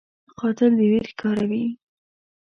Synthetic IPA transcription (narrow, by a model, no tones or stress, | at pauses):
qɑt̪ɪld̪əweɾkʰɑɾawi